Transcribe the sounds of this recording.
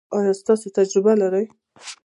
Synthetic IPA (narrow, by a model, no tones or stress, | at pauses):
ɑjɑst̪ɑsot̪ad͡ʒɾɪbalaɾaj